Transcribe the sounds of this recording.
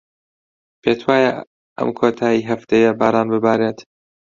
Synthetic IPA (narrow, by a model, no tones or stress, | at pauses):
pʰeːt̪ʰwaːja | ʔɐ̰mkʰot̪ʰaːjiɦɐft̪ejɐbaːɾaːnbɨbaːɾeːt̪